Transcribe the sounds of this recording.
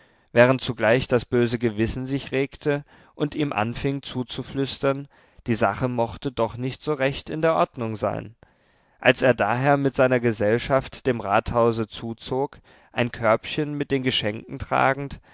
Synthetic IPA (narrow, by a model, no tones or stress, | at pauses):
vɛːʁ̞əntt͡suɡlaɪçd̥asb̥øːzəɡəvɪsn̩zɪçʁeːktʰə | ʔʊntʔiːmʔa̰nfɪŋt͡suːt͡suflʏstɐn | d̥iːza̰χəmɔχtədɔχnɪçtz̥oːʁɛçtɪ̰ndeːɐʔɔɐdnʊŋza̰ɪn | ʔalseːɐdaːɦeːɐmɪtz̥aɪnɐɡəzɛlʃaftd̥eːmʁaːthaʊzət͡suːt͡soːk | ʔaɪnkʰœɐpçənmɪt̚d̥eːnɡəʃɛŋkn̩tʁ̥a̰ːɡŋ̩t